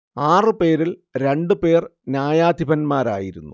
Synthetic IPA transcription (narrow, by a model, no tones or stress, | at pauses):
aːrɨpe̞ːɾilɾe̞ɳɖɨpe̞ːrnʲjaːjaːd̪ʱibɐnmaːɾa̰ːjiɾunːu